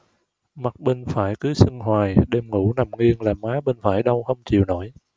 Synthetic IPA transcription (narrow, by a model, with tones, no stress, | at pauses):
ma˨˩t̚ɓe˧˩ŋfaː˧˩jkɨ˨˦sɨ˧ŋɦwaː˨˩jɗe˧mŋu˧˩na˨˩mŋwi˧əŋlaː˨˩maː˨˦ɓe˧nfaː˧˩jɗə˧wxə˧wŋ͡mt͡ɕḭ˧˨əwno̰˧˩j